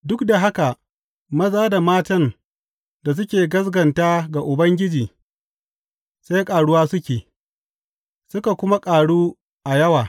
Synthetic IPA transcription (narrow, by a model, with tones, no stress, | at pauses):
dʊ˦kda˨ɦa˦ka˨ | mɐ˦zaː˦da˨maː˦tɐ˦n | da˨s̬ʊ˦kʲeː˨ɡɐ˦s̬ɡɐ˨ntaː˦ɡa˨ʔʊ˨bɐ˦ŋɡʲɪ˦d͡ʒiː˨ | sa˦jkʼaː˨ɽʊ˦waː˦sʊ˦kʲeː˨ | sʊ˦ka˨kʷʊ˦ma˦kʼaː˨ɽuː˦ | ʔa˨jɐ˦waː˨